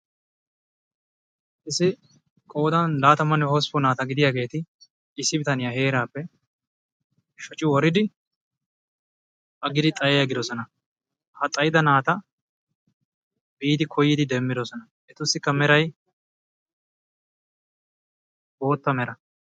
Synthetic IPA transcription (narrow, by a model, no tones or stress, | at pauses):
ʔɪsːɪ | kʼo̞ːd̪ɐnlaːt̪ɐmɐnːɛhɔspɔnaːt̪ɐɡɪd̪ɪjaːɡe̞ːt̪ɪ | ɪsːɪbɪt̪ɐnɪjahe̞ːɾaːpːɛ | ʃɔt͡ʃʼːɪwɔɾɪd̪ɪ | ʔɐɡɪd̪ɪt̪ʼɐjɛjɐɡɪd̪ɔsɔnɐ | hɐt̪ʼːɐjɪd̪ɐnaːt̪ɐ | biːd̪ɪkʰɔjːɪd̪ɪd̪ɛmːɪd̪ɔsɔnɐ | ʔɛt̪ʊsːɪkːɐmɛɾɐj | bo̞ːt̪ːɐmɛɾɐ